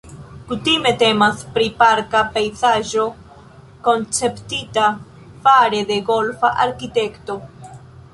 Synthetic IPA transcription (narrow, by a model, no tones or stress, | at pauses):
kut̪ime̞t̪e̞maspɾipaɾkapejzaʒo̞ | ko̞nt͡se̞pt̪ita | faɾe̞d̪e̞ɡo̞lfaʔaɾkit̪e̞kt̪o̞